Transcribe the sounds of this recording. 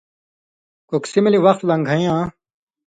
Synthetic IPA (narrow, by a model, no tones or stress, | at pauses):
koksimliʋɐxt̪lɐ̃ŋɡʱɐjãː